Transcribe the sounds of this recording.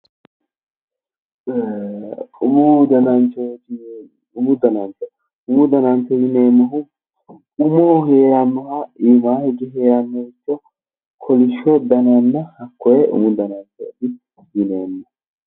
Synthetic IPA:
e | ʊmud̪ɐnɐnt͡ʃɔ | ʊmʊd̪ɐnɐnt͡ʃːɔ | ʊmʊd̪ɐnɐnt͡ʃːɔjɪneːmːɐɦʊ | ʊmoːheːɾanːɔhaiːmaːhɪɡɛɦeːɾanːɔɪt͡ʃːɔ | kʰɔlɪʃːɔd̪ɐnɐnːɐhɐkːɔjɛʔʊ̰mʊd̪ɐnɐnt͡ʃo̰ːd̪ɪ | jɪneːnːɐ

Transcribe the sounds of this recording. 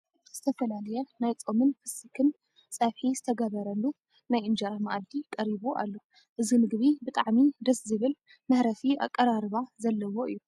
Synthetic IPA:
z̥ɨt̪ʰɐfɐlalɐjɛnajt͡sʼomɨnfɨsikʰɨn | sʼɐβħizɨt̪ʰɐɡɐβɐɾɐlːu | najɨnd͡ʒɐɾamaʔad̪ikʼɐɾiβuʔa̰lːo̞ | ʔɨzinɨɡβibɨt̪ʼaʕmid̪ɐszɨβɨl | mɐħɾɐfia̰kʼːɐɾaɾɨβazɐlːɐwo̞ʔɨ̰jːu

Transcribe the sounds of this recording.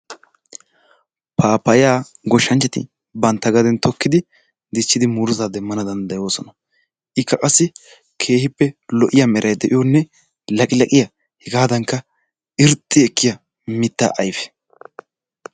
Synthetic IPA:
pʰaːpɐjaː | ɡɔʃːɐnt͡ʃːɐt̪ɪ̰ | bɐnt̪ːɐɡɐd̪ɛnt̪ɔkːɪd̪ɪ | d̪ɪt͡ʃːɪd̪ɪmuːɾʊzaːd̪ɛmːɐnɐd̪ɐnd̪ɐjo̞ːsɔnɐ | ʔɪkʰːɐkʼɐsːɪ | kʰe̞ːhɪpːɛlɔʔɪjɐmɛɾʔɐjd̪ɛʔɪjonːɛ | lɐkʼɪlɐkʼɪjɐ | hɛɡaːd̪ɐŋkːɐ | ɪɾt̪ʼːɪɛkːɪjɐ | mɪt̪ːa̰ːʔɐjfɛ̥

